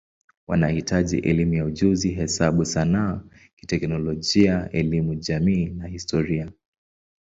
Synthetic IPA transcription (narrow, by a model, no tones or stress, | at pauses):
wa̰nahitaʄḭʔɛlimujauʄuziɦɛsaɓusanaː | ki̥tɛknɔlɔʄiaɛlimuʄamiːnahistʰɔɾia